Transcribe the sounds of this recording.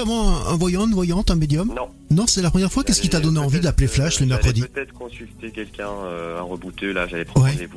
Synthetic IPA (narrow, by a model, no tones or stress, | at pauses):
avɑ̃ɛ̃ɛ̰̃vwajɑ̃nvwajɑ̃t̪ɛ̃med̪jɔmñ | nɔ̃sɛlapχəmjɛʁfwakʲɛskʲit̪ad̪ɔneɑ̃vid̪apleflaʃləmɛʁkχəd̪it̪ɛt̪χkɔ̃sylt̪ekʲɛlkʲɛ̃øã̰ʁəbut̪ølaʒalɛpχwɛevu